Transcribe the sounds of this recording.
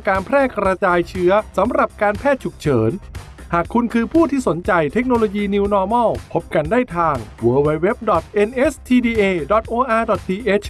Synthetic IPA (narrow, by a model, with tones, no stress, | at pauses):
kaː˧npʰɾɛː˥˩kɾa˧t͡ɕaː˧jt͡ɕʰɯ˦˥ɐsa˩˦mɾa˨˩p̚kaː˧npʰɛː˥˩t̪̚t͡ɕʰu˨˩k̚t͡ɕʰɤː˩˦n | haː˨˩kʰːu˧nkʰɯː˧pʰuː˥˩t̪ʰiː˥˩so˩˦nt͡ɕa˧jt̪ʰe˦˥k̚noː˧loː˧jiː˧ni˧wnɔː˧mɔ˥˩pʰo˦˥p̚ka˧ndaː˥˩jt̪ʰaː˧ŋwɤː˧wa˧˥jwe˦˥p̚dɔ˨˩t̪̚ʔe˧nʔe˦˥st̪ʰiː˧diː˧ʔeː˧dɔ˨˩t̪̚ʔoː˧ʔaː˧dɔ˨˩t̪̚tʰiː˧ʔe˦˥t͡ɕʰ